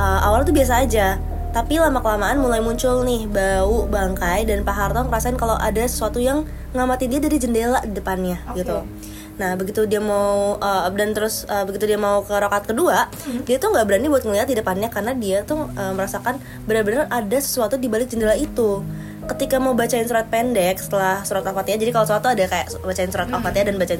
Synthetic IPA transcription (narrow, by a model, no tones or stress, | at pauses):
ʔəmʔawalt̪ubias̬aːd͡ʒa | t̪apilamakəlamaʔanmulajmuɲt͡ʃʊlnɪhbaubaŋkajdanpaɦart̪ɔŋəɾasaɪnkalawʔa̰dasə̥suat̪ujaŋ | ŋamat̪ɪndiadaɾid͡ʒəndelaʔdidəpanɲaɡit̪u | nahbəɡit̪udiamauʔədant̪əɾʊsəbəɡit̪udiamaukəɾokat̪̚kəduaʔ | diat̪uŋɡaʔbəɾanibuat̪̚ŋəliat̪̚didəpanɲakarnadiat̪ʊhəːməɾasakan | bənarbənəradasə̥suat̪udibalɪk̚d͡ʒəndelaʔit̪u | kət̪ikamaubat͡ʃaɪnsuɾat̪̚pendɛksə̥t̪əlahsuɾat̪̚afat̪ijad͡ʒadikalasəuat̪uadakaja̰ʔ | bat͡ʃaɪnsuɾat̪afat̪jadanbat͡ʃa